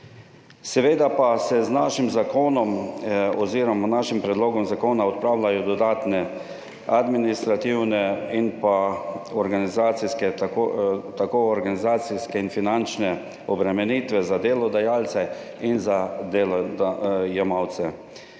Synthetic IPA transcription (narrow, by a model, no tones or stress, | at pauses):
sɛʋeːd̪apasɛznaːʃimzakoːnɔmɔziːɾɔmanaʃimpɾɛd̪loːɡɔmzakoːnaɔt̪̚pɾaːwlajɔd̪ɔd̪aːt̪nɛ | ad̪minist̪ɾat̪iwnɛinpaɔɾɡanizaːt̪siskɛ | t̪akoːɔɾɡanizaːt̪siskɛinfinant͡ʃnɛ | ɔbɾɛmɛniːt̪ʋɛzad̪eːlɔd̪ajaːlt̪sɛ | inzad̪eːlɔd̪ajɛmawt̪sɛ